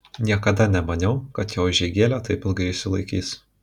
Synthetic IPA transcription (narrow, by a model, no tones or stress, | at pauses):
nʲiɛkɐd̪ɐnʲɛmɐnʲɛʊkɐt̪joːʒʲɛɪɡʲeːlʲot̪ɐɪpɪlˠɡɐɪɪʃʲsʲɪlˠɐɪkʲiːs